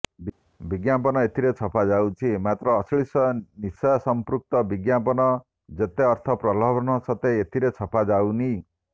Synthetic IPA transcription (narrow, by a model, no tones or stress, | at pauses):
b | biɡjapɔnɔet̪ʰiɾet͡sʰɔpʰad͡zawt͡ʃʰimat̪ɾɔːsɭisɔnisɔjɔsɔmpɾuk̚t̪ɔbiɡjapɔnɔ | d͡ʒet̪eʌɾt̪ʰɔpɾɔlɔbʱɔnɔsɔt̪eet̪ʰiɾet͡sʰɔpʰad͡ʒawni